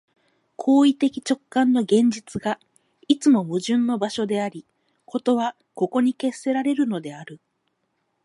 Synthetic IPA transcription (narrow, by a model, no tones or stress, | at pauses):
kʰo̞ːit̪e̞kʲi̥t͡ɕo̞kːãnːo̞ɡẽ̞ɲ̟d͡ʑit͡sɨɡa | it͡sɨmo̞mɯ̟ʑɨ̃nːo̞baɕo̞d̪e̞aɾʲi | kʰo̞t̪o̞βa | ko̞ko̞ɲ̟ike̞sːe̞ɾaɾe̞ɾɯ̟no̞d̪e̞aɾɯ̟